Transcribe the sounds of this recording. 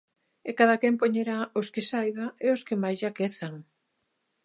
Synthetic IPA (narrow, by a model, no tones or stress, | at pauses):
ekaðakɛmpoɲeɾaoskɪsajβaeoskemajzʝakeθaŋ